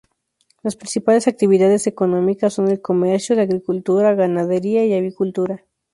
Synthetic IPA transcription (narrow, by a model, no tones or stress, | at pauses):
laspɾinsipale̞sak̚t̪iβ̞iðað̞ese̞ko̞nõ̞mikasːo̞nelko̞meɾsjoðeaɣɾikult̪uɾaɣanað̞eɾiaiaβikult̪uɾa